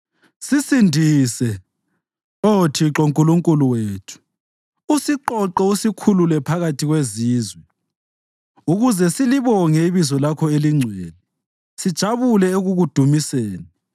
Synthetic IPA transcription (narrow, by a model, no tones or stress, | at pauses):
sisindʱisɛ | otʰiǁoŋkʼuluŋkʼuluweːtʰu̥ | usiǃɔǃɛusikʰululɛpʰaɣatʰiɣweziːzwɛ | uɣuzɛsiliβɔŋɛiβizɔlakʰɔeliŋ͡ǀʱɛːlɛ | sid̥ʒ̥ʱaβulɛeɣuɣud̥ʱumiseːni